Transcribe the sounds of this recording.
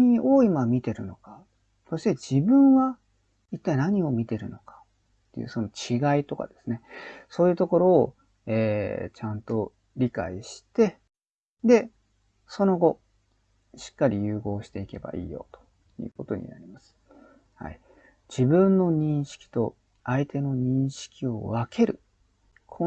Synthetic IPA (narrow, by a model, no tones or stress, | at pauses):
ɲiʔoimamʲit̪e̞ɾɯ̟no̞ka | so̞ɕi̥t̪e̞d͡ʑibɯ̟̃ɰ̃βa | it̪ːainaɲ̟io̞mʲit̪e̞ɾɯ̟no̞kḁttt̪ːḛjɯ̰ːso̞not͡ɕiɡait̪o̞ka̰d̪e̞̥sɨne̞so̞ːjɯ̟ːt̪o̞ko̞ɾo̞ː | eːt͡ɕãnt̪o̞ | ɾʲika̰iɕi̥t̪e̞ | d̪e̞ | so̞no̞ɡo̞ | ɕi̥kːaɾʲijɯ̟ːɡo̞ːɕi̥t̪e̞ike̞ba̰ʔḭːjo̞̰t̪o̥ | jɯ̟ːko̞t̪o̞̰ɲ̟ḭna̰ɾʲimasɨ̥ | ha̰i | d͡ʑibɯ̟̃nːo̞ɲ̟ĩɰ̃ɕi̥kʲi̥t̪o̞ | ait̪e̞no̞ɲ̟ĩɰ̃ɕi̥kʲio̞̰βake̞ɾɯ̟ | kʰo